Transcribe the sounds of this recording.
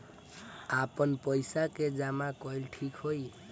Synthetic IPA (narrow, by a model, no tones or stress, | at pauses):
apɔnpɔjsaked͡ʒamakɔjlʈʰikhoj